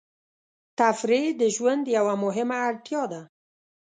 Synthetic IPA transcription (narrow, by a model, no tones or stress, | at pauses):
t̪afɾid̪əʒwand̪jawamʊɦɪmaːɽt̪jɑd̪a